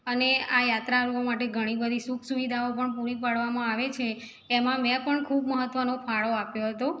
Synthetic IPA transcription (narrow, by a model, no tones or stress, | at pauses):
əneajat̪ɾaɾuomaʈeɡʱəɽ̃ibəd̪ʱisukʰsuʋid̪ʱaopəɳpuɾipaɽʋamãaʋet͡ʃʰeː | mãmɛ̃pəɳkʰubməɦət̪ːʋənofʰaɭoapjoɦət̪o